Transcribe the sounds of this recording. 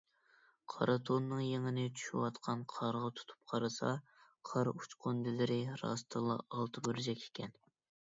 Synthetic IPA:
qʰɑ̰ɾʔɑt̪ʰonːɨŋjeŋɪnɪt͡ʃʰy̥ʃywɑt̪qʰɑnqʰɑɾʁɑt̪ʰu̥t̪ʰu̥p̚qʰɑɾɨsɑ̰qʰɑɾut͡ʃqʰond̪ɪlɪɾɪɾɑ̰st̪ʰɨlˠɑ̰ʔːlˠt̪ʰɨbøɾd͡ʒɛkʲʰe̥kʲʰɛn

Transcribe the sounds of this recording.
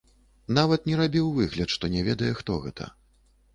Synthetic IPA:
navɐt̪nʲɛɾabʲiwvɨɣlʲɐt̪ʂt̪ɔnʲɛvʲɛd̪ɐjɛxt̪ɔɣɛ̰t̪ʰɐ̰

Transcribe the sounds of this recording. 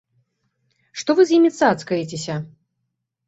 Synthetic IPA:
ʂt̪ɔvɨzjimʲit̪sat̪skɐjit͡sʲesʲɐ

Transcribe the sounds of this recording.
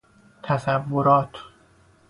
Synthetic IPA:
t̪ʰæzævːoɾɒːt̪ʰ

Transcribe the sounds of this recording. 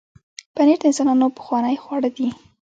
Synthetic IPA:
pəneʈd̪əɪnsɑnɑnopə̥xwɑnəjxwɑɽəd̪i

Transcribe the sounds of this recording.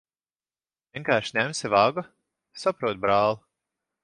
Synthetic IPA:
vʲjiɛŋkaːɾʃnʲæmsivaɡa | sapɾuɔt̪̚bɾaːlˠu

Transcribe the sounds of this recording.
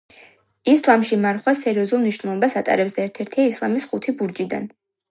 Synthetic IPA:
islˠamʃimaɾχwasɛɾiɔzulˠmniʃnɛlˠɔbasat̪ʼa̰ɾɛbzɛɛɾt̪ʰɛɾt̪ʰiaislˠamisχut̪ʰibuɾd͡ʒid̪a̰n

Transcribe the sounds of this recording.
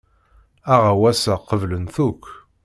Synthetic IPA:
æʁawæsæqəvlənθukʷː

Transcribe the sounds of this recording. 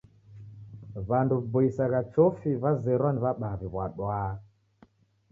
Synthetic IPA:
βandubɔisaɣat͡ʃɔfiβazɛɾwaniβaɓaβiβwaɗwaː

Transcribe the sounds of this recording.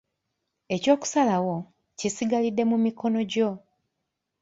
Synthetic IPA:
e̞co̞ːku̥salawo̞ | cisiɡalidːe̞mumiko̞no̞ɟo̞

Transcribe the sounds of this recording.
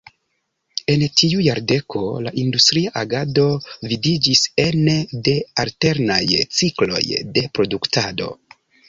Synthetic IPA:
e̞ntʰiujaɾde̞kʰo̞la̰ʔindustɾiaʔaɡado̞vidid͡ʒisende̞alte̞ɾnajt͡siklo̞̰jde̞pɾo̞duktʰado̞̰

